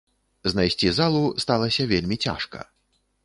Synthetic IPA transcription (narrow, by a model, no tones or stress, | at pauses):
znajsʲt͡sʲizalˠust̪alˠɐsʲɐvʲelʲmʲit͡sʲa̰ʂkɐ̰